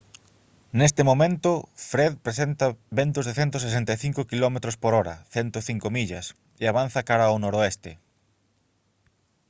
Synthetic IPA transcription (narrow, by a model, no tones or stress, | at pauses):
nest̪ɪmomẽnt̪ʊfɾeðpɾesent̪ɐβent̪ʊzðeθent̪os̬esent̪ajθiŋkʊkilɔmet̪ɾospoɾɔɾɐ̰θɛnt̪oθiŋkomiʎɐs | eaβanθɐkaɾaonoɾoest̪ɪ